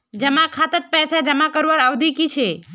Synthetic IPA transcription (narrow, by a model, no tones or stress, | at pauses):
d͡ʒəmakʰat̪ət̪̚pɛsad͡ʒəmakəɾʋəɾaʋd̪ʱikit͡ʃʰe